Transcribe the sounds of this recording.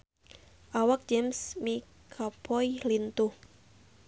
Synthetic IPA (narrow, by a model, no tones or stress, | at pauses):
ʔawak̚d͡ʒɛmsmi | kʰapʰɔjlint̪uh